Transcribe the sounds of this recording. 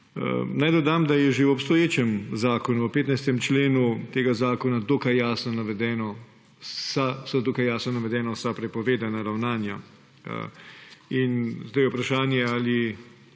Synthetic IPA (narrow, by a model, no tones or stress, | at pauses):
najd̪ɔd̪amd̪ajɛʒewɔpst̪ɔjeːt͡ʃɛmzaːkɔnuəpeːt̪najst̪ɛmt͡ʃleːnut̪eːɡazaːkɔnad̪oːkajːaːsnɔnaʋɛd̪ɛːnɔ | sasɔd̪oːkajaːsnɔnaʋɛd̪ɛːnɔsapɾɛpɔʋeːd̪anaɾawnaːnja̰ | inzd̪ajupɾaʃaːnjɛali